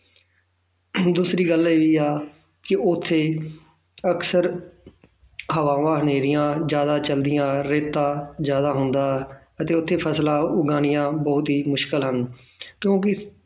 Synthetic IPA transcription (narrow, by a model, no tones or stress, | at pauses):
d̪uːsɾiːɡəleːʋiːaː | kɪʔʊt̪ʰːeː | əksəɾ | ɦəʋaːʋãːɦəneːɾɪjãːzjaːd̪aːt͡ʃəld̪ɪjãːɾeːt̪ːãːzjaːd̪aːɦʊnd̪aː | ət̪eːʊt̪ʰːeːpʰəslãːʊɡaːnɪjãːbəːʊt̪ɦiːmʊʃkəlɦən | kjõːkɪ